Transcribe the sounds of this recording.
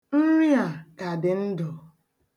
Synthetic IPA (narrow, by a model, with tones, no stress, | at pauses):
n̩˦ɾi˦a˨ka˨dɪ˨n̩˦dɔ˨